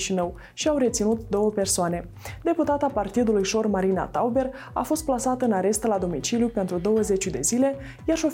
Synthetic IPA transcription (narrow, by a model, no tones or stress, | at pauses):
ʃinəw | ʃiawɾe̞t̪sinut̪d̪o̞wəpe̞rsoane̞ | d̪e̞put̪at̪apart̪id̪ulujʃo̞rmaɾina̰t̪awbe̞r | a̰fo̞st̪̚plasat̪əɨnaɾe̞st̪əlad̪o̞mit͡ʃiljupe̞nt̪ɾud̪o̞wəze̞t͡ʃud̪e̞zile̞ | jarʃo